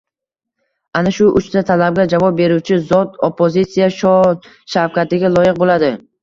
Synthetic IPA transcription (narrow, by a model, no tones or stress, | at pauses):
anaʃʊʔʊt͡ʃt̪at̪ʰalab̚ɡʲad͡ʒavɒp̚be̞ɾut͡ʃʰɪzɒt̪opʰːozit̪sijaʃɒ | ʃawkʲʰat̪ɪɡʲalˠɒjɪq̚bolad̪ɪ